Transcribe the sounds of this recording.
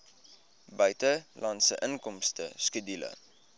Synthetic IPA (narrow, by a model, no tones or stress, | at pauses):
bœɥtəlʔɑntsəʔənkɔmstəskədilə̰